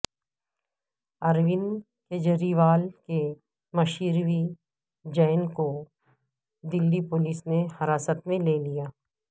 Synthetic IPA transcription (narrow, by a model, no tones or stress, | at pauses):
ɐɾʋɪn | ked͡ʒəɾiʋaːlke | mɐʃiːɾʋi | d͡ʒɐːnko | d̪ɪlːipoːlisnehɐɾaːsət̪mẽleːlijaː